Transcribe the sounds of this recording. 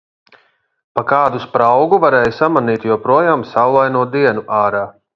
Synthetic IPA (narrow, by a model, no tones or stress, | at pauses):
pakaːd̪uspɾawɡuvaɾɛːjusamaniːt̪juɔpɾuɔjaːmsawlˠajnuɔd̪iɛnuʔaːɾaː